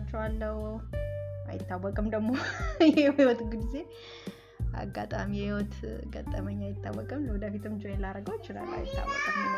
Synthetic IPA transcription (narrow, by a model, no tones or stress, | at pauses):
t͡ʃːɛwalːəhu | ʔa̰jɪt̪ːawːɔkʼɨmd̪əɡmojɛhiwɔt̪ɡɨbze̞ | a̰ɡːat̪ʼamijɛhiwɔt̪ɡə̰t̪ʼːəməɲːajɪt̪ʰːawːəkʼɨmləwɔd̪əfit̪ʰɨmd͡ʒojɛlaɾəɡəwɔt͡ʃːɪna̰lːa̰jɪt̪ʰːa̰wːɔ̰kʼɨmn